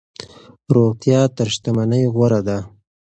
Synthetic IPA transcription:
ɾoɣt̪jɑt̪əɾʃt̪amanəjɣwaɾad̪a

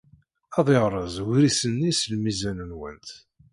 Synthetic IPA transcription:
ɑðˤeʁɾˤəzˤwɾisənːislmizænənwə̰nt̪

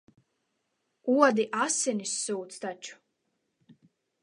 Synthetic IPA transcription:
uɔd̪iʔasinisːuːt̪st̪at͡ʃu̥

